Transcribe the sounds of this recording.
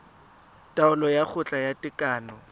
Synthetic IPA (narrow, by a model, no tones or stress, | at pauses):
tʼaʊlɔjak͡xʰʊt͡ɬʼajatʼɪkʼaːnɔ